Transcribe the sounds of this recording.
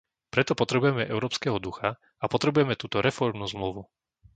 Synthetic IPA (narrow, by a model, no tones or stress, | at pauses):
pɾɛt̪ɔpɔt̪ɾɛbujɛmɛʔɛʊɾɔːpskɛːɦɔd̪uxa | apɔt̪ɾɛbujɛmɛt̪uːt̪ɔɾɛfɔɾmnuzmluʋu